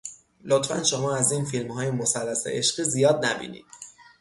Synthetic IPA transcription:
lot̪fæ̰nʃo̞mɒːæziːnfilmhɒːjemosælːæsḛʔeʃɢ̥iːzijɒːd̪̚næbḭːnḭːd̪̥

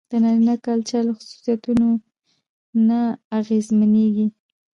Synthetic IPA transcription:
d̪̥ənaɾinakɑlt͡ʃaləxʊsu̥sijat̪uno | naːɣezmaneɡi

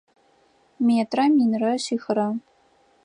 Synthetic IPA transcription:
meːtrɐminrɐɕiːxɨɾɐ

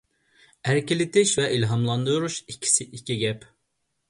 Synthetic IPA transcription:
æɾkʲɪlɪt̪ʰɪʃvɛʔilɦɑmlˠɑnd̪uɾuʃikʲʰːi̥sɪʔikʲʰiɡʲɛp

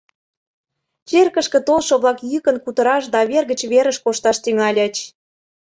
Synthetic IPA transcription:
t͡ɕerkə̆ʃkə̆t̪olˠʃŏβlˠɑkjykə̆nkut̪ə̆ɾɑʃ̬d̪ɑβerɣə̆t͡ɕβeɾəʃkoʃt̪ɑʃt̪yŋɑlʲɑt͡ɕ

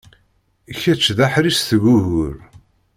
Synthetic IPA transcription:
çæt͡ʃːðaħɾisθəʝuʝʊɾ

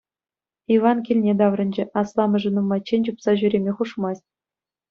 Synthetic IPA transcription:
iʋɑnkʲilʲnʲed̪ɑʋrɤ̆nʲd͡ʑɘ̆ʔɑslˠɑmɤ̆ʐɘ̆numːɑt͡ɕːenʲd͡ʑupsɑʑyɾʲemʲeχuʂmɑsʲtʲ

